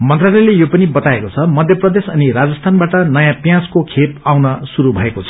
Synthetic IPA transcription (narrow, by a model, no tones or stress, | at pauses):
mʌnt̪ralʌjlejopʌnibʌt̪aekot͡sʰʌmʌd̪ʱjʌprʌd̪esʌniɾad͡zʌst̪ʰanbaʈʌnʌjãpjãskokʰepawnʌsuɾubʱʌekot͡sʰʌ